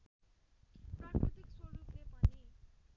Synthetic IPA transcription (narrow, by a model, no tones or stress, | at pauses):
prakɾut̪ikswʌɾuplepʌni